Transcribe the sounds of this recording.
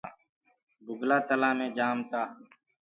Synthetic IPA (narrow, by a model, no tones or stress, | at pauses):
bʊɡlaːt̪əlãːmẽːd͡ʒaːmt̪aː